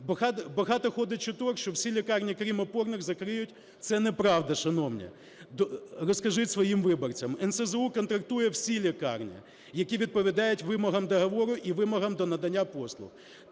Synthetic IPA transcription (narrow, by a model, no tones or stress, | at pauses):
bɐhɑt̪bɐɦɑt̪ɔxɔd̪ɪt͡ʃʊt̪ɔkʃt͡ʃɔwsʲilʲikɑrnʲikɾʲimɔpɔrnɪɣzɐkɾɪjʊtʲ | t̪sɛnɛpɾɑʋd̪ɐʃɐnɔwnʲɛ̰ | d̪ɔrɔskɐʒɪtʲsʋɔjimʋɪbɔrt͡sʲɐmɛnsɛzɛukɔnt̪ɾɐk̚t̪ujɛwsʲilʲikɑ̰rnʲḭ | jɐkʲiʋʲid̪̚pɔʋʲid̪ɑjʊtʲʋɪmɔɦɐmd̪ɐɦɐʋɔɾʊʔiʋɪmɔɦɐmd̪ɔnɐd̪ɐnʲːapɔslˠʊ̰x